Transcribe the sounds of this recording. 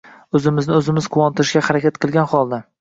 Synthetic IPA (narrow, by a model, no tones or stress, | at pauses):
ɵzɪmɪznɪɵzɪmɪz̥qʰʊwɒnt̪ɪɾɪʃɡʲahaɾakʲat̪qʰɨlˠɡʲanχɒlˠd̪a